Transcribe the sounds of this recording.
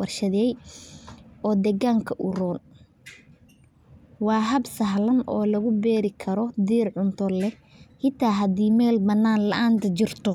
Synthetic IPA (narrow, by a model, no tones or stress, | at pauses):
wɐrʃɐðɛj | ɔːd̪ɛɣaːŋkʰɐʔʊrɔːl | wɑːɦɐbsɐɦlɐnɔːlɐɣʊbɛːɾɪkʰɐɾɔd̪iːrʕʊnt̪ʰɔlɛ | hɪt̪ʰaːɦɐd̪iːmɛːlbɐnːaːnlɐʔaːnt̪ʰɐt͡ʃɪrt̪ʰɔ